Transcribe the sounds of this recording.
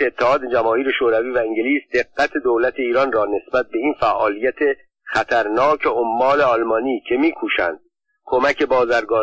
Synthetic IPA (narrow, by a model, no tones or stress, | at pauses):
eːt̪ʰːehɒːd̪ed͡ʒæmɒːhiːɾeʃoːɾæviːvæiŋɟeliːsd̪e̞ɡːæt̪ʰe̞d̪owlæt̪ʰe̞iːɾɒːnrɒːne̞sbæt̪̚be̞infæʔɒːlijæt̪ʰe̞ | χæt̪ʰæɾnɒːcʰeomːɒːle̞ɒlmɒːniːcʰe̞miːkʰuːʃæ̰nd̪̥̚ | kʰo̞mæce̞bɒːzæɾɡɒː